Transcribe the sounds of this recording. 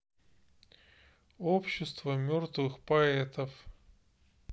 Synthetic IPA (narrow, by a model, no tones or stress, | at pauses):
opɕːɪst̪vəmʲort̪vɨxpɐɛt̪əf